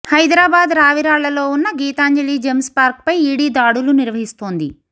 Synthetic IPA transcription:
hɐjd̪ɾaːbaːd̪ɾaːʋiɾaːɭɐlo̞ːunːɐɡiːt̪aːɲd͡ʒeliːd͡ʒemspaːɾk̚pɐjiːɽiːd̪aːɽuluniɾʋɐɦist̪oːnd̪ḭ

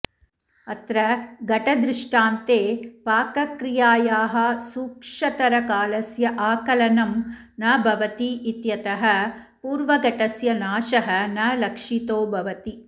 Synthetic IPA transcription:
ɐt̪ɾɐɡɐʈɐd̪ɾɪʂʈaːnt̪eːpaːkɐkɾijaːjaːɦɐ̆suːkʂɐt̪ɐɾɐkaːlɐsjɐʔaːkɐlɐnɐm | nɐbʱɐʋɐt̪iit̪jɐt̪ɐɦɐpuːɾʋɐɡɐʈɐsjɐnaːʃɐɦɐnɐlɐkʂit̪oːbʱɐʋɐt̪i

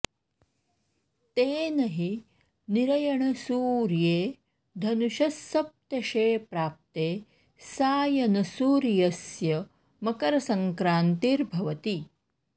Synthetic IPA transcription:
t̪eːnɐɦi | niɾɐjɐɳɐsuːɾjeː | d̪ʱɐnuʃɐsːɐp̚t̪ɐʃeːpɾaːp̚t̪eː | saːjɐnɐsuːɾjɐsjɐ | mɐkɐɾɐsɐŋkɾaːnt̪iɾbʱɐʋɐt̪i

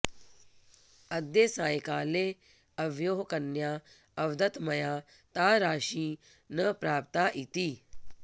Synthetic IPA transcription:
ɐd̪jesãːjkaːle | ɐʋjoːɦkɐnjaː | ɐʋd̪ɐt̪mɐjaː | t̪aːɾaːʃĩː | nəpɾaːp̚t̪aːʔit̪iː

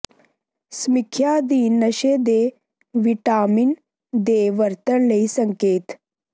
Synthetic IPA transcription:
smikʰjad̪iːnːəɕed̪e | ʋiʈaːmin | d̪eːʋəɾt̪əɳləisəŋkeːt̪

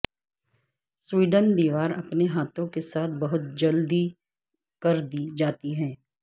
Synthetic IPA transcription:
swiːɖənd̪iːʋaːɾɐ̰pneɦaːt̪ʰõkesaːt̪̚ʰbɐɦʊt̪̚d͡ʒɐld̪i | kɐɾd̪id͡ʒaːt̪iɦɛ̃ː

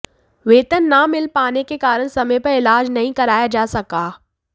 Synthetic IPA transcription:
ʋeːt̪ənːamɪlpaːnekekaːɾəɽ̃sɐmə̃pɐɾɪlaːd͡ʒnɐɦĩkɐɾaːjad͡ʒaːsɐkaː

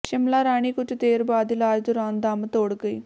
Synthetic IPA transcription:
ʃɪmlaːɾaːɽ̃iːkʊt͡ʃʰt̪eːɾbaːd̪ɪlaːd͡ʒd̪ʊɾaːnd̪aːmt̪oːɽɡəḭː

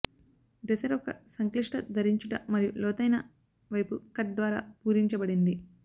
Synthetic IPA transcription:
ɖɛsɐɾɔkɐsɐŋkliʂʈɐd̪ʱɐɾiɲt͡ʃuʈɐ̰mːɐɾijulɔːt̪ɐjnɐ | ʋɐjpukɐʈ̚d̪ʋaːɾa̰ːpuːɾiɲt͡ʃɐbɐɽind̪i

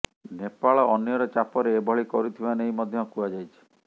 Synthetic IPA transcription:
nepaɭɔʔɔnjɔɾɔt͡ʃapɔɾeːbʱɔɭikɔɾit̪ʰibaneɦjmɔd̪ʱjɔkuad͡ʒajt͡ʃʰi̥

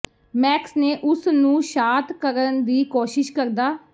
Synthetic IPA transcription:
mɛːksneːʔʊsnũːʃaːt̪kəɾənd̪iːkoːʃɪʃkəɾd̪aː

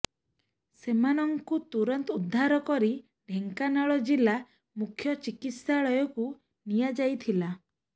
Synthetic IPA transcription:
semanɔŋkut̪uɾɔnt̪ud̪ʱːaɾɔkɔɾi | ɖʱeŋkanaɭɔd͡ʒila | mukʰjɔt͡ʃikit̪saɭɔjɔku | nijad͡ʒajt̪ʰila

